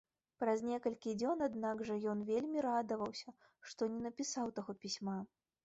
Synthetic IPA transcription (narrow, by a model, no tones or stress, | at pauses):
pɾɐznʲɛkɐlʲkʲid͡zʲɔnad̪naɡʐɐjɔnvʲelʲmʲiɾad̪ɐvɐwsʲɐ | ʂt̪ɔnʲɛnɐpʲisawt̪aɣɔpʲisʲma